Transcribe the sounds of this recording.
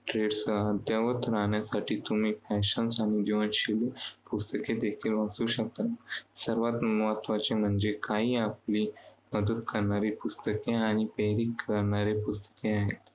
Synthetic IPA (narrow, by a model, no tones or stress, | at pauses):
ʈɾeɽsəd̪jaʋət̪ɾaɳjasaʈʰiːt̪um̤iːfæɕənsaɽ̃id̪iʋənɕilpust̪əked̪ekʰiːlʋ̤asuːɕək̚t̪asəɾʋat̪ʋat̪ʋat͡ɕem̤əɳd͡zekaɦiːapliːməd̪ət̪kəɾɳaɾipust̪əkeaɽ̃ipəɦɾiːkːəɾɳaɾepust̪ə̥keaɦet̪